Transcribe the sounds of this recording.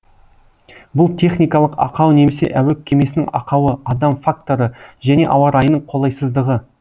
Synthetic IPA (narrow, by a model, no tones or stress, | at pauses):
bʊlˠt̪ʲʰe̞χnijkɑlˠəqɑ̰qɑwne̞mese̞̰ʔæwekʲʰːe̞me̞sɪnɪ̰ŋɑ̰qɑwəɑd̪ɑmfak̚t̪o̞ɾəʒæne̞̰ʔɑwɑɾɑjənəɴqʰo̞lˠɑjsəzd̪əʁə